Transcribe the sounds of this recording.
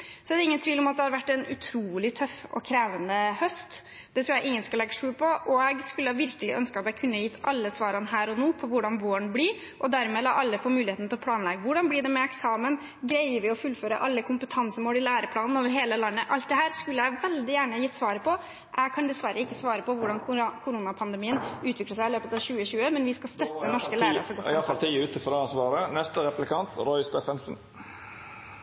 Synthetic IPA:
sɔɛd̪ɛɪŋːənt̪ʰʋiːlɔmɑt̪̚d̪ɛhɑɾʋæʈːɛnʉ̰t̪ʰɾuːlɪt̪ʰœfɔ̰kʰɾeːʋənəhœst̪ | d̪ɛt̪ɾʊːjæɪʔɪŋːənskʉlɛɡəʂʉːlpʰɔʔɔɛɡskʉlːəhɑʋɪɾkəlɪ̰ʔœnskəɑt̪ɛɪkʰʉnːəjɪt̪ːɑlːəsʋɑːɾɑnhæːɾɔnoːpʰɔʋʊɖɑnʋoːəɳbliɾ | ʔɔd̪æɾmeːlɑ̰ːʔɑlːəfoːmʉːlɪheːt̪nt̪ɪlɔpʰlɑːnlɛɡəʋʊɖɑnblɪɖɛmɛɛksɑːmən | ɡɾæɪəʋɪɔfʉlføːɾə̰ʔɑlːəkʰʊmpət̪ʰɑnsəmoːlɪlæːɾəpʰlɑːnn̩oːʋəɾɦeːləlɑnːəʔɑlt̪̚d̪ɛɦæːɾskʉlːəjæɪʋɛld̪ɪjæːɳəjɪt̪sʋɑːɾəpʰɔ | ʔæɡkʰɑnd̪ɛsʋæɾːəɪkːəsʋɑːɾəpɔʋʊɖɑnkʰʊɾuːnɑpʰɑnd̪ɛmiːənʉːt̪ʰʋɪkləʂæɪɪløːpət̪ɑʋɕʉːəɕʉːəmɛnʋɪskɑst̪œt̪ːənɔʂkəlæːɾə̰sɔɡɔɪɑfɑlt̪ʰiʉːt̪əfɔd̪ɑnsʋɑːɾənɛst̪əɾɛplɪkʰɑnt̪ɾɔʏst̪eːfənsn̩

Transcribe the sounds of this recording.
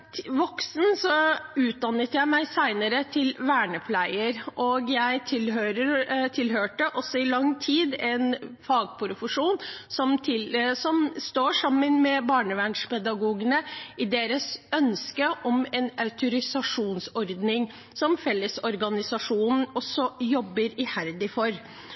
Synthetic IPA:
ʋɔksn̩sɔʉːt̪̚d̪ɑnət̪jæɪmæɪsæɪnəɾət̪ʰɪlʋæːɳəpʰlæɪəɾʔoːɡjæɪt̪ʰɪlɦøːɾəɾt̪ʰɪlɦøːʈəʔɔsːɔɪlɑŋːt̪ʰiːd̪ɛnfɑːɡ̚pʰʊɾfəʂuːnsɔmt̪ʰɪlsɔmst̪oːʂɑmːənmɛbɑːɳəʋæɳʂpɛd̪ɑɡuːɡənəɪd̪eːɾəsœnskəʔɔmɛnɑʉt̪ʊɾɪsɑʂuːnsɔɾd̪nɪŋ | sɔmfɛlːəsɔɾɡɑnɪsɑʂuːnn̩ɔsːɔjɔbːəɾɪhæɾd̪ɪfɔɾ

